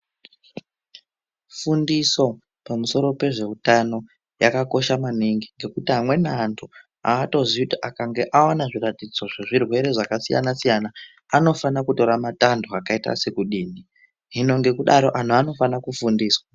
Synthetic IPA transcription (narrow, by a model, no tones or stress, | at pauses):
fundiso̞ | pamuso̞ɾo̞pe̞ʐe̞utano̞ | jakako̞ʃamaniŋɡiŋɡe̞kutiɦamwe̞nantʰu | aːto̞zikutiʔakaŋɡe̞ʔawanaʐiratid͡zo̞ʐeʐirwe̞ɾe̞ʐakasija̰nasijanaː | no̞fanakuto̞ɾamatandoakaita̰se̞kuɗiːni | ɦino̞ŋɡe̞kuɗaɾo̞ʔan̤uano̞fanakufundiːswa